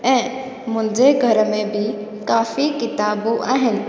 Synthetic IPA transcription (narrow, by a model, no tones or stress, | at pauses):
ɛ̃ː | mʊ̃ɦɪ̃ɲd͡ʑeɡʱɐɾəmẽbʱɪkaːfikɪt̪aːbuaːɦɪnɪ̆